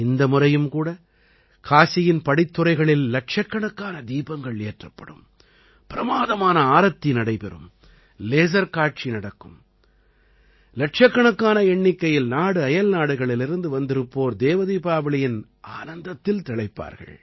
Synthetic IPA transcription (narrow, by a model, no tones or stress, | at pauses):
ɪnd̪ɐmʊrɐjɯmkuːɽɐ | kʰaːsɪjɪnpɐɽɪt̪ːɯɾɐɪɣɐɭɪlːɐʈ̚t͡ʃɐkːɐɳɐkːaːnɐd̪iːbɐŋɡɐɭeːʈrɐpːɐ̰ɽɯ̰m | pɪɾɐmaːðɐmaːnɐaːɾɐt̪ːɪnɐɽɐɪpɛrɯ̰m | leːs̬ɐɾkaːʈ̚t͡ʃinɐɽɐkːɯm | lɐʈt͡ʃɐkːɐɳɐkːaːnɐɛɳːɪkːɐjɪlnaːɽɯɐjɐlnaːɽɯɣɐɭɪlɪɾɯnd̪ɯʋɐnd̪ɪɾɯpːoːɾd̪eːʋɐðiːpaːbɪɭɪjɪn | a̰ːnɐnd̪ɐt̪ːɪlt̪ɪɭɐɪpːa̰ːɾɣɐ̰ɭ